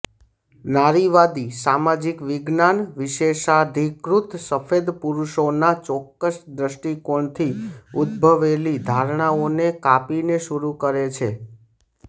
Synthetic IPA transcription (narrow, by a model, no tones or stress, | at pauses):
naɾiʋad̪isamad͡ʒikʋɪɡnanʋɪʃeʃad̪ʱikɾut̪səfed̪puɾuʃonat͡ʃɔkːəsd̪ɾəʃʈikoɳt̪ʰiud̪̚bʱəʋelid̪ʱaɾɳ̃aonekapineʃuɾukəɾet͡ʃʰe